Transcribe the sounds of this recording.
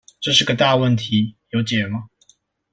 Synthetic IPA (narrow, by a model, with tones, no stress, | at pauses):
ʈ͡ʂɤ˥˧ʂ̬ɻ̩˥˩ɡə˨t̪a˥˧wə˥˩nt̪ʰi˨˦jo˧˥ʊt͡ɕjɛ˨˩mɐ˦